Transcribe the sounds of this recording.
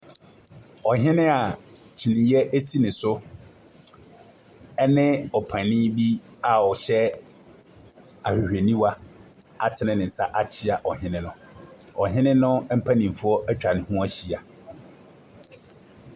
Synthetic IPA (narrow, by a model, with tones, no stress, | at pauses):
ɔ˨ɦɪ̃˦nɪ̃˦a˨ | t͡ɕʰi˨nɪ̃˨jɛ˦ʔe˦si˦nɪ̃˨sʊ˦ | ɛ˦nɪ̃˦ɔ˨pʰã˨nɪ̃˦bi˦a˨ɔ˨ɕɛ˦ | a˨hᶣi˨hᶣe˨nĩ˦wa˦a˨tʰɪ˨˦nɪ̃˦nɪ̃˨n̩˨sa˦ʔa˦t͡ɕʰi˦a˨ʔɔ˨ɦɪ̃˦nɪ̃˦nʊ̃˨ | ɔ˨ɦɪ̃˦nɪ̃˦nʊ̃˦m̩˦pʰa˦nĩ˨fʊ˦ɔ˦ʔɛ˦t͡ɕᶣa˨nɪ̃˦hũ˦a˦ɕi˨a˨